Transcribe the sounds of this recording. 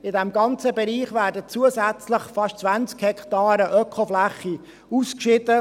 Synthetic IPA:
ɪdɛmɡɑnt͡səbɛɾiːχvæːɾdət͡suəsæt͡sləχfɑʃt͡sʋænt͡skhɛkt̪ɑːɾəʔœkʰχoflæχi | uskʃɪdə

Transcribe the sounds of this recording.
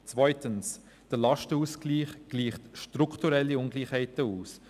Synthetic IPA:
t͡svœʏtəns | d̥əlɑʃtəuːsɡ̥liːχɡ̥liːχtʃtɾukʰtuɾɛlːiʊŋɡliːχhæɪtəuːs

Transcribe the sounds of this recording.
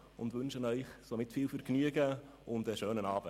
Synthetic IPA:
ʊndʋʏnʃənœʏχsomɪtfiːlfyːɾknyəɡə | ʊndəʃøːnənɑːb̥ə

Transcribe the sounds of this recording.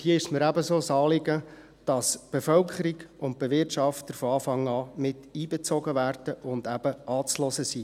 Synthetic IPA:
hiəɪʃməɾæbəsoːsɑːlɪɡə | d̥ɑsb̥efœlkʰəɾiɡʊnt̚b̥eʋɪtʃɑft̪əɾfoɑːfɑŋɑːmɪtiːbet͡sɔɡəʋæːrd̥əʔʊndæb̥əʔɑːt͡slɔsəsiː

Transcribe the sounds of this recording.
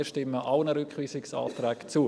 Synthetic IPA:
ʃtɪmːəʔaʊnəɾʏkχʋiːsɪksa̰ːt̪ɾɛːkt͡suː

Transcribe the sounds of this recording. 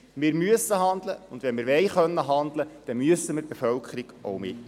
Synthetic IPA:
mɪːɾmyəsəɦɑnd̪ləʊnd̪ʋɛnmɪːɾʋɛɪχœnːəɦɑnd̪ləd̥ɛmyəsːəmɪːɾt̚b̥efœlkʰəɾiɡ̥ʔowmɪ

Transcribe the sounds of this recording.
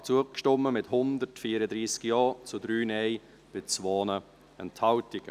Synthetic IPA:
t͡suəkʃtɔmːəmɪthʊnd̪əɾtfiːɾədɾiːskjɑːt͡sudɾyːnɛɪ | b̥ɪt͡svoːnə | ɛnthɑwtɪɡ̥ə

